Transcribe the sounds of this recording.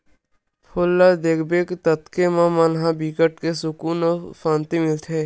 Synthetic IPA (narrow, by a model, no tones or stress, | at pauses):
pʰolːad̪eːkbeːkt̪ət̪kemãmanɦãbiːkəʈkesʊkuːnɔːpãːnt̪imɪlt̪ʰɦɛː